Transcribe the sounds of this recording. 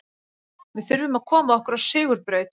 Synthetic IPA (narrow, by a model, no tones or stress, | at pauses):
vɪðfɪɾvʏmaðkʰɔːmaðɔhkʏɾawsɪːɣʏɾpɾeːɥt̪